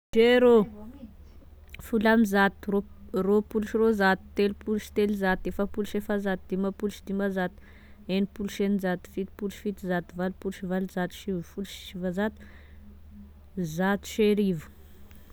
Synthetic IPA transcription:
ʃeɾo | fulamizat̪roropuluʃirozat̪i̥t̪elipuluʃi̥t̪elizat̪efapulʃefazat̪id̪̥imapulʃid̪imazat̪ | enipulʃenizat̪i̥fit̪i̥pulʃi̥fit̪izat̪ivalpulʃivalizat̪u̥ʃivfulʃʃivazat̪i̥ | zat̪u̥ʃeɾivu̥

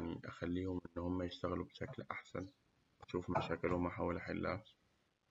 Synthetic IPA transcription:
aʕniʔaxalːiːhʊmʔɪnːhʊmːajɪʃt̪aɣlubʃaklʔaħsa̰n | aʃuːfmaʃaːkɪlʊmʔaħaːwalʔaħɪlːa̰ːt̪

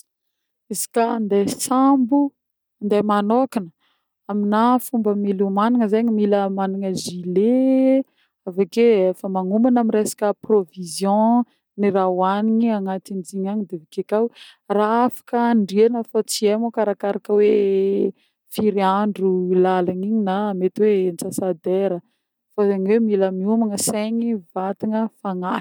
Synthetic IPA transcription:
izi̥kand̪ejsambu | nd̪ajmanokinə | aminafumbəmilumaniŋəzeɲimiləmaniŋəzile | avakeefəmaŋumanamiɾesḁkəprovizjɔ̃ | niɾawaniɲiaŋat̪ind͡ʒiɲaɲid̪evikekawraafḁkəɳɖ͡ʐianəfat͡siemokaɾakaɾakəwe | fiɾiaɳɖ͡ʐulalaniɲinamet̪iwent͡sasad̪eɾə | fazaɲiwemiləmiumaŋəseɲivat̪iŋəfaŋḁ

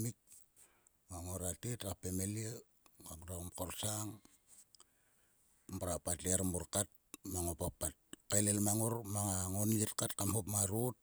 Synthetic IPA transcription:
mik̚ | ŋaŋoɾatetapemelie | ŋakɾamkorsaŋ | mpaɾapatleaɾmuɾkat̚maŋopapːat̚kalelmaŋormaŋaŋonijetkatkamhopmaɾut̚

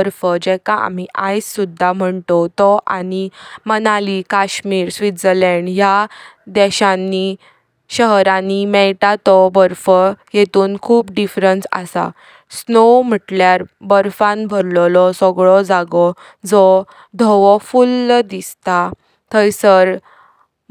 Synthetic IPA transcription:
ɾfəd͡ʑɛkãʔa̰m̤iʔajsːud̪ʱːam̤əɳt̪ɔt̪ɔʔa̰nimənalikaɕmiːɾsʋit̪d͡zəɾlɛɳɖjad̪ɛɕanːi | ɕəɦɾanimɛlʈ̪at̪ɔbəɾfəjet̪uːnkʰuːpɖifɾənsa̰sa̰ | snowm̤əʈljaɾbəɾfãnbʱəɾllɔsɔɡɭɔd͡zaɡɔ | d͡zɔ | d̪ʱɔʋɔfulːd̪ist̪a | t̪əjsəɾ

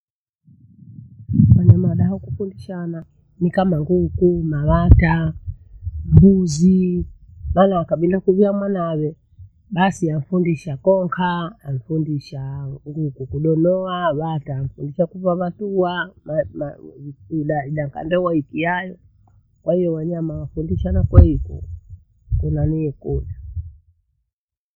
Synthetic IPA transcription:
kwaɲamaɗaɔkufundiʃana | nikamaŋɡukumaβata | mbuzi | maːnakaɓilakuviamwanawɛ | ɓasiam̩fundiʃakɔŋkʰaːm̩fundiʃaŋɡukukuɗɔnɔaβataːm̩fundiʃakuvaβatuamam | iɗaiɗaŋka̰ndɛwaikiajɔ | kwahijɔwaɲamawafundiʃanakwɛikṵ | kunaniɛkuɗa

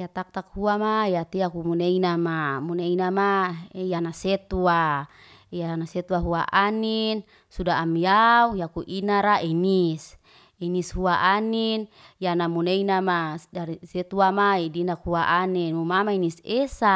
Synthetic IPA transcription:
jat̪ak̚t̪ak̚huamajat̪iakumuneinamamuneinamaejanaset̪ua | janaset̪uaɦuaʔanin | sudaːmjaujakuʔinaɾaʔinis | inishuaʔaninjanamuneinamadaɾiset̪uamaidinakhuaʔaninumamainisesa

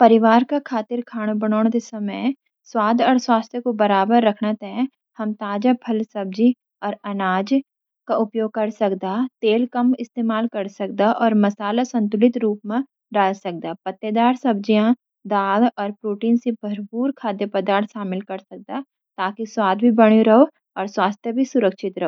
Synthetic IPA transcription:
pɐɾɪʋaːɾkakʰaːt̪ɪɾkʰaːɽ̃bɐɽ̃ɔːɽ̃t̪esɐmə | swaːd̪ʱɔːɾswaːst̪ʰjkobɐɾaːbəɾːɐkʰnat̪eɛ̃ | hɐmt̪aːd͡ʒapʰɐlsɐb̚d͡ʒi | ɔːɾɐnaːd͡ʒ | kaʊpjoːɡ̚kɐɾsɐkd̪aːt̪eːlkɐmɪst̪eːmaːlkɐɾsɐk̚d̪aʔɔːɾmɐsaːlasɐ̃nt̪̬ʊlɪt̪ɾuːpmẽ | ɖaːlsɐk̚d̪apɐt̪ːed̪aːɾsɐbd͡ʒijã | d̪aːɡɔːɾpɾuːʈiːnsebʱɐɾpuːɾkʰaːd̪jepɐd̪aːɾt̪ʰʃaːmɪlkɐɾsɐk̚d̪aː | t̪aːkiswaːd̪ʱbʱibɐɽ̃joɾɐɦo | ɔːɾswaːst̪ʰjəbʱisʊɾəkʃɪt̪ɾɐɦoː

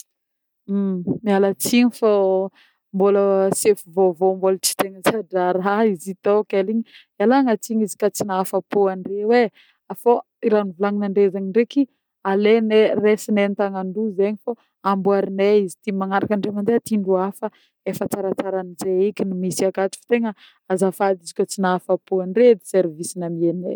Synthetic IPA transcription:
mialat͡siɲifa | mboləsefuvovomboləʈ͡ʂi̥t̪eŋət͡saɖ͡ʐaɾaizit̪okeliɲi | alaŋat͡siɲizi̥kat͡sinaafapuaɳrewe | afo | iɾanuvulaŋinaɳɖ͡ʐezaɲiɳɖ͡ʐeki | aleneresinent̪aŋaɳɖ͡ʐuzeɲifo | ambuaɾineizit̪imaŋaɾakaɳɖ͡ʐemand̪eat̪iɳɖ͡ʐuafə | efət͡saɾat͡saɾanizeikʲinimisiakat͡si̥fi̥t̪eŋə | azafad̪izikʲot͡sinaafapuaɳɖ͡ʐed̪iseɾvisinamienḛ

